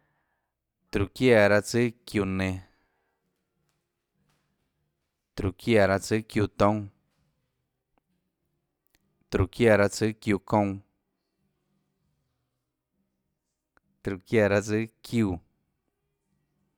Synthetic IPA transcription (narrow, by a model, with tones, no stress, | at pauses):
t̪ɾu˨kja˦˧˨ɾa˧t͡sɨ˦kju˧˨nẽ˧ | t̪ɾu˨kja˧˨ɾa˧t͡sɨ˦kju˧t̪õ˦ŋ | t̪ɾu˨kja˧˨ɾa˧t͡sɨ˦kju˧˨kõ˧w̃ | t̪ɾu˨kja˧˨ɾa˧t͡sɨ˦kju˧